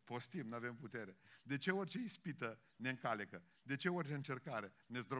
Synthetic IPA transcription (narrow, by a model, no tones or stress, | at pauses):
po̞st̪imnave̞mput̪e̞ɾed̪e̞t͡ʃeorʲt͡ʃeispit̪ə | ne̞ɨŋkalekə | d̪e̞t͡ʃe̞orʲt͡ʃe̞ɨnt͡ʃe̞rkaɾe̞ | nezd̪ɾo